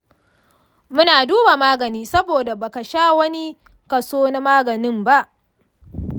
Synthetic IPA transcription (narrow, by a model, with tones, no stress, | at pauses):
mʊ˦naː˨duː˦baː˨maː˦ɡɐ˨niː˦sɐ˦boː˨da˨ba˨ka˨ʃaː˦wɐ˦ni˦ | kɐ˨soː˦na˦maː˦ɡɐ˨nɪ˦mba˦ʔ